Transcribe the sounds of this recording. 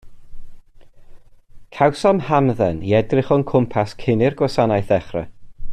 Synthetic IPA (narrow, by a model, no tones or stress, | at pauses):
kʰawsɔmhamðɛniɛdrɪχɔnkʰʊmpʰaskʰɪnɪrɡwɔsanajθɛχrɛ̰